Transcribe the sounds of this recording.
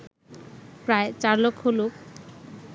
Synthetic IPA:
pɾaet͡ɕaɾlokʰːolok

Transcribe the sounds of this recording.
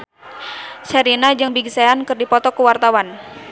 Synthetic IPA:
sɛɾinad͡ʒɨŋbiɡsaankɨrdipɔt̪ɔkuwart̪awan

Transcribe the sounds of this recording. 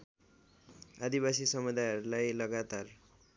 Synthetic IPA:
ad̪ibas̬isʌmud̪ajʌɾulajlʌɡat̪ar

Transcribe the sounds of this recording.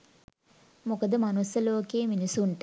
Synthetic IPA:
mukəd̪əmanusəloːkeːminisuɳʈə

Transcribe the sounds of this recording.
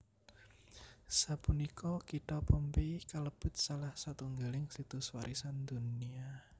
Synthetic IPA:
sapunikɔkit̪ɔpəmpikaləb̥ʊ̤t̪̚salahsat̪uŋɡalɪŋsit̪ʊswaɾʔisand̪unia

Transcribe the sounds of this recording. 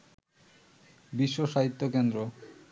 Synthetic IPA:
biʃːoʃaɦit̪ːokend̪ɾo

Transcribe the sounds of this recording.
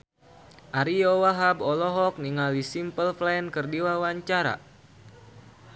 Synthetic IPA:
ʔaɾijowaɦabɔlɔɦɔk̚niŋalisimpəlflankərdiwawaɲt͡ʃaɾa̰

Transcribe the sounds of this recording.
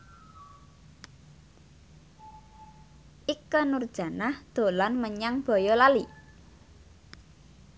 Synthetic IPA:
ʔikːənurd̥ʒ̥ä̤nahd̪̥o̤lanməɲaŋb̥ɔ̤jɔlali

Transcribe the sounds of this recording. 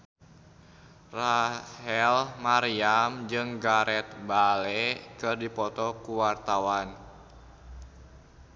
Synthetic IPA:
rahɛlmaɾiamd͡ʒɨŋɡaɾɛt̪̚balɛkɨrdipɔt̪ɔkuwart̪awan

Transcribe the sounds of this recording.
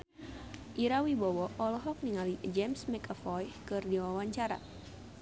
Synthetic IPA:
ʔiɾawibɔwɔʔɔlɔɦɔk̚niŋalid͡ʒɛmsmɛkafɔjkɨrdiwawaɲt͡ʃaɾa̰

